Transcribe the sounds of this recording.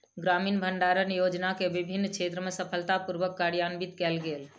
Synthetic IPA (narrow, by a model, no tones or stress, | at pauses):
ɡɾaminbʱəɳɖaɾənjod͡ʒnakebibʱinːkt͡ʃʰet̪ɾəmesəpʰəlt̪apuɾʋəkːaɾjanbit̪kɛlɡel